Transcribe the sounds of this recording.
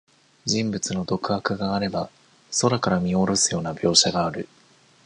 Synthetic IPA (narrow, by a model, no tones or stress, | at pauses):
d͡ʑĩmbɯ̟t͡sɨno̞d̪o̞kɯ̟hakɯ̟ɡaːɾe̞ba | so̞ɾakaɾamʲio̞ɾo̞sɨjo̞ːnabʲjo̞ːɕaɡaːɾɯ̟